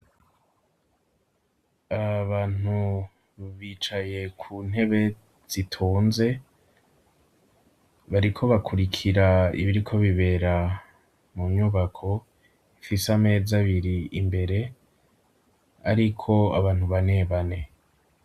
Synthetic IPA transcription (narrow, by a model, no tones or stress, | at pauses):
aβaːn̥u | βit͡ʃaje̞kʰuːn̥he̞βe̞ | z̥itʰuːnze̞ | βaɾikʰo̞βakʰuɾikʰiɾaḭβiɾikʰo̞βiβe̞ːɾa | mumɲuβakʰo̞ | ifisame̞ːzaβiɾiimbe̞ɾe̞ | aɾikʰo̞aβaːn̥huβane̞βane̞